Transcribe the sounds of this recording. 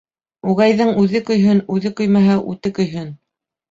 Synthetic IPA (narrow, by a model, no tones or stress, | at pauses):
uʁæjðɘŋʉðɘkɵ̆jɦɵnʉðɘkɵ̆jmæɦæʔʉ̰t̪ɘkɵ̆jɦɘn